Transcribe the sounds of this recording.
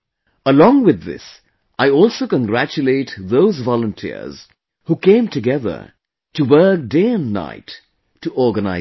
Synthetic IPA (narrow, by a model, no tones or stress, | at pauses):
əlɔ̃ŋwɪðːɪ̰s | ʔaɪɔlˠsoʊkə̃nɡɾæt͡ʃuleɪtðoʊzvɔlə̃ntʰḭɹz̥ | hukẽɪ̃mtʰɨɡɛðə̰ | tuwɜ˞k̚deɪə̃nna̰ɪtː | uʔɔɹɡəna̰ɪ